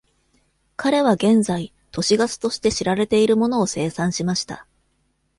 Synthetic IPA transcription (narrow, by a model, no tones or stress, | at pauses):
kaɾe̞β̞aɡẽ̞nzai | t̪o̞ɕiɡasɨ̥t̪o̞ɕi̥t̪e̞ɕiɾaɾe̞t̪e̞iɾɯ̟mo̞no̞ːse̞ːsãɰ̃ɕimaɕi̥t̪a̰